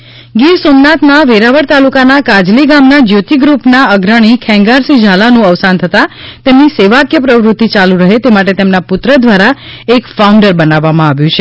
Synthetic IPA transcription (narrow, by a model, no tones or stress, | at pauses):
ɡiɾsomnat̪naʋeɾaʋəɽt̪alukanakad͡ʒliɡamnad͡ʒjot̪iɡɾupnaəɡɾəɽ̃ikʰɛ̃ŋɡaɾsid͡ʒʱalanũəʋsant̪ʰət̪at̪emniseʋakjəpɾəʋɾʊt̪ːit͡ʃalũɾəɦet̪emaʈ̬et̪emnapʊt̪ɾəd̪ʋaɾaekfaũɳɖəɾbənaʋːamãaʋjũt͡ʃʰe